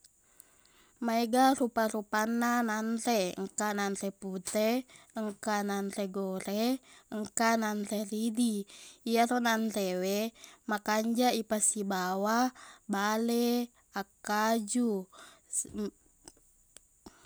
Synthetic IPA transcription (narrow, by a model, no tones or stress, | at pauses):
maɛɡarupaɾupanːananrɛ̰ŋkananrɛput̪ɛ | əŋkananreɡoɾɛəŋkananreridiiaɾonanrewemakaɲd͡ʒaipasibawabalɛ | akːad͡ʒu